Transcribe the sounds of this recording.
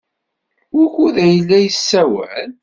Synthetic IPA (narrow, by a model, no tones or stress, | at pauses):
ʊɾçuðæjəlːæjəsːæwæ̰l